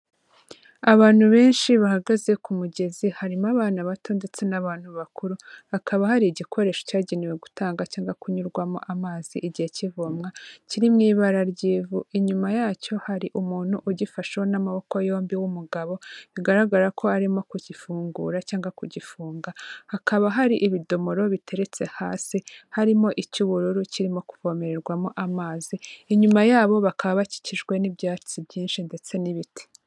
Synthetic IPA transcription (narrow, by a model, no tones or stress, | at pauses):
aβaːn̥huβe̞ːnʃiβahaɡaze̞kumuɟe̞zihaɾimaβaːnaβatoːnde̞t͡se̞naβaːn̥huβakuɾuakʰaβahaɾiːɟikʰo̞ɾe̞ːʃocaːɟeniwe̞ɡutaːŋɡacaːŋɡakuɲuɾɡwamo̰ʔamaːz̥iʔiɟihe̞civomŋaciɾimŋiːβaɾaɾɟiːvuʔiɲumajaːco̞haɾiʔumuːn̥huʔuɟifaʃonamaβo̞ko̞jo̞ːmbiwumuɡaβo̞βiɡaɾaɡaɾakʰo̞aɾimo̞kuɟifuːŋɡṵːɾat͡ʃaːŋɡakuɟifuːŋɡahakaβaɦaɾiʔiβido̞mo̞ɾo̞βitʰe̞ɾet͡se̞haːsihaɾimo̞ʔicuβuɾuɾuciɾimo̞ku̥vo̞meɾeɾɡwamoʔamaːziːɲumajaːβo̞βakʰaβaβaci̥ciʒɡwe̞nibjaːt͡sibɟiːnʃinde̞t͡se̞niβiti̥